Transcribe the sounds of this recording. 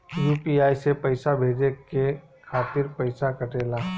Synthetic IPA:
juːpiaːisepəɪsabʱeːd͡ʒeke | kʰaːt̪ɪɾpəɪsakəʈeːla

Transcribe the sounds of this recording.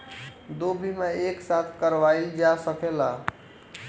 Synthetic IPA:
d̪obʱimẽeksat̪ʰkəɾʋaild͡ʒasəkʰela

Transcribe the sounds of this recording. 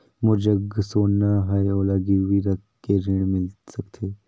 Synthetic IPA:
mʊd͡ʒəɡsoːnːaɦajoːlaɡɪɾwiɾɐk | keɾɪɽmɪlsɐkt̪ʰeː

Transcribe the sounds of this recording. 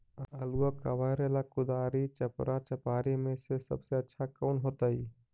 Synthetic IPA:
əəluəkə̰ʋəɾelakud̪aɾit͡ʃəpɾat͡ʃəpaɾimesesə̰bseətːʃʰakəʊnɦot̪əi

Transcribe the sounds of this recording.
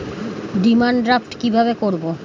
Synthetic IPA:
ɖimaɳɖɾapʈkibʱabekoɾbo

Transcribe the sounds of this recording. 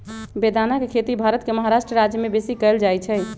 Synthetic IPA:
bed̪anakekʰet̪ibʱaɾət̪keməɦaɾaʃʈɾəɾad͡ʒjəmebesikəɪld͡ʒajt͡ʃʰɛ

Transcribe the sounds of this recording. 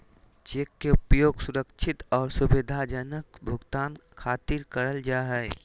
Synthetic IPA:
t͡ʃeːkːeʊpjoːɡsʊɾəkʃʰɪt̪ɔːɾsʊbɪd̪ʱad͡ʒənəkbʱʊɡt̪aːnkʰaːt̪ɪɾkəɾəld͡ʒaːɦɛe

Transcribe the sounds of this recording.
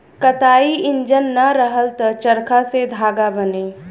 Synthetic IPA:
kət̪aːiɪ̃nd͡ʒənːaɾəɦəlt̪ət͡ʃəɾkʰased̪ʱaːɡabəneː

